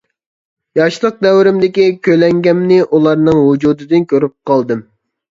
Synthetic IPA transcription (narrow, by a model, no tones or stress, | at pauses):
jɑʃlˠəq̚d̪ɛwɾɪmd̪ɪkʲikʲølɛŋɡʲɛmnɪʔulˠɑɾnɨŋwud͡ʒuːd̪ɨd̪ɨnkʲʰøɾyp̚qʰɑlˠd̪ɨm